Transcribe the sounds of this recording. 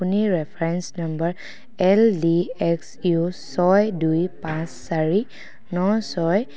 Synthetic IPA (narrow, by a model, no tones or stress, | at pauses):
uniɹɛpʰɹɛnsnambəɹ | ɛldiɛksjusɔjdujpãsːaɹi | nɔsɔj